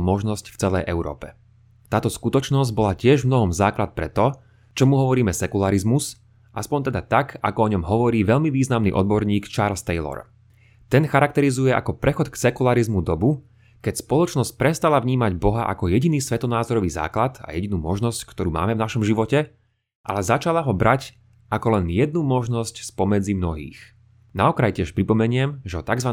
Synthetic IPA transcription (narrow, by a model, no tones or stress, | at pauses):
mɔʒnɔscft͡sɛlɛ̰jʔɛʊɾɔ̰ːpɛ̥ | t̪aːt̪ɔskut̪ɔt͡ʃnɔzɟbɔlacɪɛʒmnɔɦɔmzaːklat̪̚pɾɛt̪ɔ | t͡ʃɔmuɦɔʋɔɾiːmɛsɛkulaɾizmus | ʔaspɔɲt̪ɛd̪at̪aka̰kɔɔɲɔmɦɔʋɔɾiːʋɛʎmiʋiːznamnḭʔɔ̰d̪bɔɾɲiːkt͡ʃaːɾlst̪ɛɪlɔ̰ɾ | t̪ɛnxaɾak̚t̪ɛɾizujɛʔa̰kɔpɾɛxɔt̪ksɛkulaɾizmud̪ɔbu | kɛcspɔlˠɔt͡ʃnɔsc̚pɾɛst̪alavɲiːmaɟbɔɦaʔa̰kɔjɛɟiniːsʋɛt̪ɔnaːzɔɾɔʋiːza̰ːklat̪a̰jɛɟinuːmɔʒnɔsckt̪ɔɾuːma̰ːmɛvnaʃɔmʒiʋɔcɛ | ʔa̰lɛzat͡ʃalaɦɔbɾac | ʔakɔlɛnjɛd̪nuːmɔʒnɔscspɔmɛd͡zimnɔɦḭːx | naɔkɾajcɪɛʃpɾipɔmɛɲɪɛmʒɛɦɔt̪aɡzʋa